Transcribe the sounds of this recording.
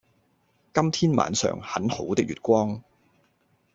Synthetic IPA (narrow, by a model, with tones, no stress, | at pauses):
kɐ˥mt̪ʰiː˥nma̰ː˨˧nsœ̰ː˨˩ŋhɐ˨˥nho˨˥wt̪ɪ˥k̚ɥyː˨t̚kʷɔː˥ŋ